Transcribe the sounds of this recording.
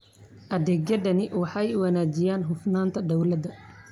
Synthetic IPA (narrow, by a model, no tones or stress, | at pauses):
ʔɐd̪ɛːɡjɐd̪ɐnɪwɑħɑjwɑnaːd͡ʒɪjaːnɦʊfnaːnt̪ʰɐd̪ɔwlɐd̪ɐ